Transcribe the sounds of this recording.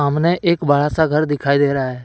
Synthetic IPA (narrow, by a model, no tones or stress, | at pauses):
əmnẽʔeːkbəɽasaɡʱəɾd̪ɪkʰaːid̪eːɾaːɦɛː